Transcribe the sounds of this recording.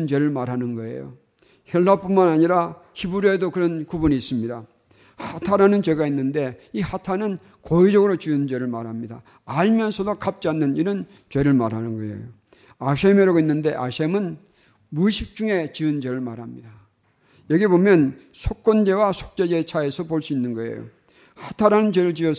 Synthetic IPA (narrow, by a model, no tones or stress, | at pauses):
nd͡ʑwe̞ɾɯɭmaɾɦanɯnɡʌe̞̰jo̰ | çjʌɭːap͈unmanaɲiɾa | çibuɾjoedokɯɾʌnkubuniːs͈ɯmɲida | hatʰaɾanɯnt͡ɕe̞ɡainːɯnde̞ihatʰanɯn | koid͡ʑʌɡɯɾot͡ɕiɯnd͡ʑe̞ɾɯɭmaɾɦamɲida̰ | aʎmjʌnsʰʌdokap̚t͡ɕ͈ianːɯniɾɯn | t͡ɕwe̞ɾɯɭma̰ɾanɯnɡʌḛjo̰ | aɕʰemeɾʌɡoinːɯnde̞ʔaɕʰemɯn | muɕʰik̚t͡ɕ͈uŋe̞t͡ɕiɯnd͡ʑwe̞ɾɯɭmaɾɦamɲida | jʌɡibomjʌnsʰok͈̚ond͡ʑe̞wasʰo̥k̚t͡ɕ͈e̞d͡ʑe̞t͡ɕʰae̞sʰʌpoɭs͈uinːɯnɡʌe̞̰jo̰ | hatʰaɾanɯnt͡ɕwe̞ɾɯɭt͡ɕiʌ